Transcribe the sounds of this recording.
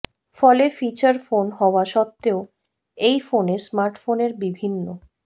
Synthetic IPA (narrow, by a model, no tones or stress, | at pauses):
fɔlefit͡ɕaɾfonɦɔoaʃɔt̪ːeo | ejfonesmaɾʈfoneɾbibʱinːo